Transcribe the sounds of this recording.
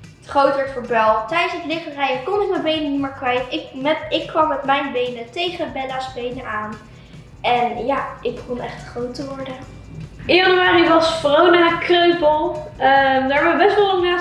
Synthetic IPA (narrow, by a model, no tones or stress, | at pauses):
tχrowtəfəɹbɛlˠtɛjdənsətlɪχərɛjəkɔnɪk̚mɛbejnənimaːɹkʋɛjtɪkmɛɪkːʋɑmːɛtmɛjnbejnətejχənbɛlasbejnəaːn | ɛnjaːʔɪɡ̚bəχɔnɛχtχrowtəʋɔɹdə | ɪɑnomaːɾiʋɑsfronakrøɥpəlˠəmdəɹɦɛbəʋəbɛstʋɑlˠlɑŋnaː